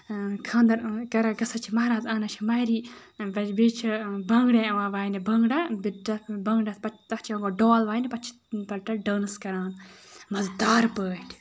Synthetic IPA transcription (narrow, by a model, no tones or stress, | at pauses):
kʰãːnd̪ɐɾkɐɾɐɡɐsɐt͡ʃʰimɐɾaːzaːnɐt͡ʃʰimɐjɾiː | bɐbit͡ʃʰibɐŋɡɽẽɐʋaːʋaːjnibɐŋɡɽɐbibɐŋɡɽɐpɐt̪ɐt͡ʃʰiɐ̃ɡoɖoːlʋaːjnipɐt͡ʃʰi̥ | pɐlʈɐɖəːnɐskɐɾaːnmɐzd̪aːɾpəːʈʰ